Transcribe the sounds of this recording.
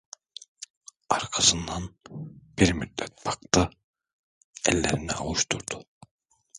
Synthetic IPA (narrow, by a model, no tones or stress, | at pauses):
ɑɾkʰɑsɯnd̪ɑnb̥iɾmyd̪ːæt̪̚pʰɑkt̪a | ɛlːɛɾiniɑ̰lˠuʃt̪uɾd̪̥u